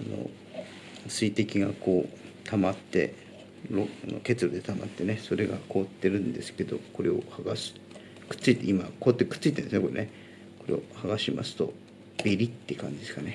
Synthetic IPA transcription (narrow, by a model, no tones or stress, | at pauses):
ano̞̰ | sɨit̪e̞kʲiɡako̞ː | t̪ʰamat̪ːe̞̰ | ɾoano̰ke̞t͡sɨɾo̞d̪e̞t̪ama̰t̪ːe̞ne̞so̞ɾe̞ɡako̞ːt̪ːe̞ɾɯ̟̃nd̪e̞sɨ̥ke̞d̪o̞ko̞ɾe̞o̞̰haɡasɨ̥ | kɯ̟̥t͡sːɨit̪ːeimako̞ːt̪ːekɯ̥t͡sːɨit̪enesjnekoɾene | ko̞ɾe̞̰o̰haɡaɕima̰sɨ̥t̪o̞̰ | b̥eɾʲit̪ːe̞kã̰ɲ̟d͡ʑid̪e̞sɨ̥kane